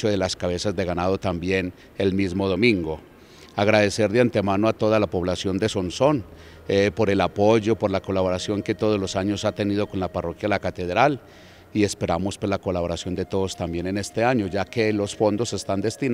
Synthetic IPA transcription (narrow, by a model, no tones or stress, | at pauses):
t͡ʃoðe̞laskaβe̞sazd̪e̞ɣanað̞o̞t̪ambje̞n | elmizmo̞ð̞o̞mĩŋɡo̞ | aɣɾað̞e̞se̞ɾd̪eant̪e̞manoat̪o̞ðalapo̞βlasjo̞nd̪eso̞nso̞n | po̞ɾe̞lapo̞ʝo̞po̞ɾlako̞laβoɾasjo̞ŋke̞t̪o̞ðozlo̞saɲo̞sat̪enið̞o̞ko̞nlaparo̞kjaelakat̪e̞ðɾal | ie̞spe̞ɾamo̞spolako̞laβo̞ɾasjo̞nd̪e̞t̪o̞ðost̪ambje̞nene̞st̪e̞aɲo̞ʝake̞lo̞sfo̞nd̪o̞se̞st̪and̪e̞st̪i